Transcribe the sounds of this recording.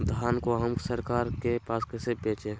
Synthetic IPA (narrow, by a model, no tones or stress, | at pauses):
d̪ʱaːnkoɦəmsəɾkaːɾkepaːskɛːsepeːt͡ʃẽː